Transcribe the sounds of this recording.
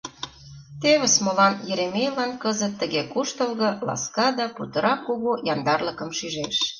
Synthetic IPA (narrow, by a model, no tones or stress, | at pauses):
t̪eβə̆smŏlɑnjĕɾemejlɑnkɤzət̪ːə̆ɣekuʃt̪ə̆lɣɤ̆lɑ̰skɑd̪ɑput̪ɤ̆ɾɑkːuɣujɑnd̪ɑrlə̆kə̆mʃyʒeʃ